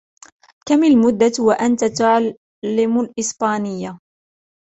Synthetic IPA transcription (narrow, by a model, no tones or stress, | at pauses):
kamalmʊd̪ːawaʔant̪at̪ʊʕ | lːɪmʊlʔɪsbaːnɪjːa